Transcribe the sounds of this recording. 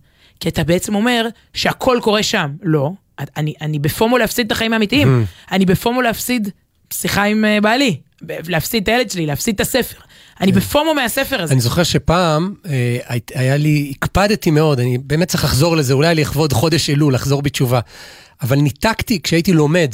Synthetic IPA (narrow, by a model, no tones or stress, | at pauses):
kiat̪abeet͡se̞mo̞me̞ʁ | ʃe̞akʰo̞lko̞ʁe̞ʃamlo̞ | aaniʔanibefomolehafsid̪̚t̪aχaimaːmit̪iimanibefomoleafsid̪ | siχaimebali | beleafsid̪̚t̪aelett͡ʃelilehafsid̪̚t̪ase̞fe̞ʁ | anibefomomease̞feʁaanizo̞χeʁʃepaːmeaajaliːkpad̪timeo̞d̪anibe̞ːmet̚t͡se̥χlaχzo̞ʁlezeulajleːχvo̞d̪χo̞d̪eʃelulaχzo̞ʁbet͡ʃuvaː | valnit̪akt̪ikʃeaitilo̞me̞d